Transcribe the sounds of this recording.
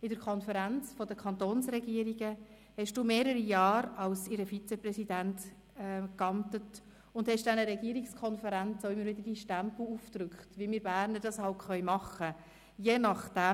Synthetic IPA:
ɪdəɾkʰɔnfəɾænt͡sfɔdəkʰɑnt̪oːnsɾɛɡiːəɾiɡə | hɛʃd̥uːmeːɾəɾijɑːɾɑlsɪɾəfit͡sɛprɛsidæntː | kɑmtət | ʊndhɛʃd̥ænəɾɛɡiːəɾikskʰɔnfəɾænt͡soʊɪmːəɾʋɪdəɾd̥iʃtæmpl̩ˠuːft̪ɾʏkχtʋimiːɾbæːɾnəd̥ɑshɑltχœʏmɑχə | jɛːnɑχd̥æ

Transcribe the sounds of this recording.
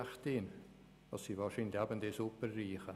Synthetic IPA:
χtɪn | ɑsːiːvaːʃiːndlabənd̪esupərːiːχə

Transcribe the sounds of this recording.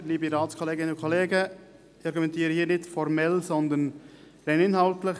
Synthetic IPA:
liːbəɾɑːlskʰɔleːɡɪnənʊkʰɔleːɡə | ɑɾɡumɛntiːɾəhiːnɪtfɔɾmɛlsɔnd̪ən | ɾɛɪnɪnhɑltləχ

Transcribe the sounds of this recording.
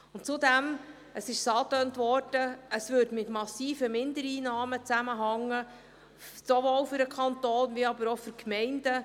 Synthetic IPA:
ʊntt͡sudæm | ʔəsɪʃsɑːtøːntʋɔrd̥əəsʋʏɾdmɪtmɑsiːfəmɪndəɾiːnɑːmət͡sæməɦɑŋːə | soʋoːlfʏɾəkʰɑnt̪oːnʋiɑbəɾofyɾkmɛɪnd̥ə

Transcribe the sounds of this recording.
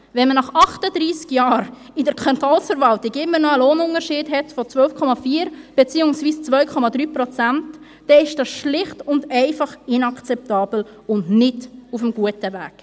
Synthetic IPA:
vɛnmənɑχɑχtəd̥ɾiːskjɑːɾ | ɪdəɾkʰɑntɔlsfəɾvɑltɪɡɪmənɔəloːnʊnəɾʃɪːdɦɛtfɔt͡svœlfkʰɔmɑfiːəɾb̥et͡siːʊŋsviːst͡svœʏkʰɔmɑdɾyːprɔt͡sæntː | ɛɪʃd̥ɑːsʃlɪχtʊndɛɪfɑχɪnɑkt͡sɛp̚tɑːbl̩ | ʊndnɪdufəmɡuətəvæ̰ːk

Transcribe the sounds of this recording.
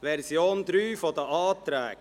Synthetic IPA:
ʋɛɾsjoːnd̪ɾyːfɔd̪əʔɑːt̪ɾæ̰ːk

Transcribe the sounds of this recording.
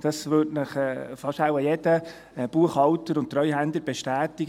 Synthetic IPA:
d̥ɑsʋʏtnəχɛːfɑʃawɑjɛd̥ə | b̥uəχhɑwtəɾʊntt̪ɾœʏɦændləɾb̥eʃtæːtɪɡ

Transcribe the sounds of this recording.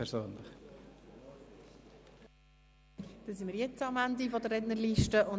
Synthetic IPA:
ɛɾsøːnlɪχ | d̥esɪnmiːɾjɛt͡sɑmændifɔdərɛtnəɾliʃtəʔʊn

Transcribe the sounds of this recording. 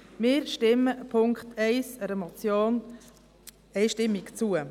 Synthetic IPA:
mɪːɾʃtɪməpʰʊŋkχt̪ɛɪsəɾɛmɔt͡sjoːn | ɛɪʃtɪmːɪkt͡suə

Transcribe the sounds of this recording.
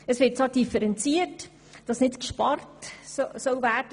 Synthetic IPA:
əsʋɪt̚t͡sɑd̥ifəɾɛnt͡siət | d̥ɑsnɪtkʃpɑrtssɔlvæːrdə

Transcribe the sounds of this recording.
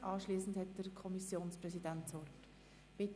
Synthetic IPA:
ʔɑːʃliːsn̩dhɛt̚d̥əɾkʰɔmisjoːnsprɛsidɛntsʋɔrt | b̥ɪt

